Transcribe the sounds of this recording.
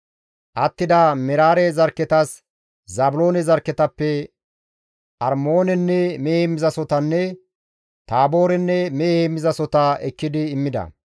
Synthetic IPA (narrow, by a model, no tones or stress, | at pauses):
ʔɐt̪ːɪd̪ɐmɛɾaːɾɛzɐɾkːɛt̪ɐs | zɐbʊlo̞ːnɛzɐɾkːɛt̪ɐpːɛ | ʔɐɾmo̞ːnɛnːɛmeːhɛmɪzɐsɔt̪ɐnːɛ | t̪aːbo̞ːɾɛnːɛmeːhɛmːɪzɐsɔt̪ɐɛkːɪd̪ɪːmːɪd̪ɐ̰